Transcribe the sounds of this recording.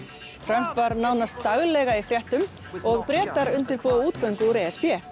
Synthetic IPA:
fɾœm̥p̪vaɾnaːwnast̪ːaɣlɛɣaifɾjɛht̪ʏm | ɔɣpɾɛːt̪aɾʏnt̪ɪɾpɔːwauːt̪kœŋkʏuɾɛːɛspjɛː

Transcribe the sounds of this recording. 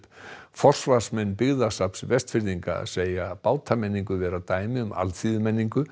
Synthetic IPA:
pfɔr̥svḁsmɛnːpɪɣðasapsvɛst̪fɪɾðiŋka̰seːjapaːwt̪ʰamɛnːiŋkʏvɛːɾat̪aːjmɪʏma̰lθiðʏmɛnːiŋkʏ

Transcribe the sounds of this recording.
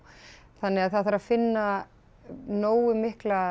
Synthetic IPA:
θanːɪaðθaðθaɾaðfɪnːa | noːwɪmɪhkla

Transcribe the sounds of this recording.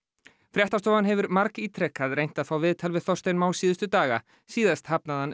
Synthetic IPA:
fɾjɛht̪ast̪ɔːvanɦɛvʏɾmaɾkiːt̪ʰɾɛkaðrejn̥t̪aðfaːwvɪːðt̪ʰalvɪðθɔr̥st̪ejnmaːwsiːðʏst̪ʏt̪aːɣa | siːðast̪hapnaðhan

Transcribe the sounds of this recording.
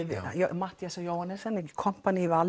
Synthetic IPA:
ð̰jmat̪jasɔjowhanɛsɛnkʰɔm̥panival

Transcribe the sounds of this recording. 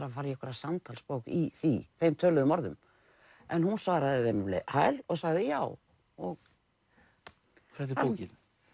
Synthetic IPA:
ɾafaːɾjɛkvɛɾasamt̪ʰalspowkiθiθejmt̪ʰœːlʏðʏmɔɾðʏ̰m | ɛnhunsvaːɾaðɪðemɪmlɪ̰hajlɔɣsaɣðɪjaːw | ɔɣ | θɛt̪̬ɪpowcɪn

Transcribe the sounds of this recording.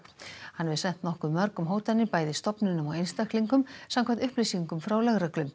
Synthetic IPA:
hanːvɪðsɛn̥t̪nɔhkʏmːœɾkʏmɦoːwt̪anːɪpaːjðɪst̪ɔpnʏnʏmɔ̰wejnst̪ahk̪liŋkʏmsamkʰant̪ʏhplijsiŋkʏmfɾawlaɣɾaklʏm

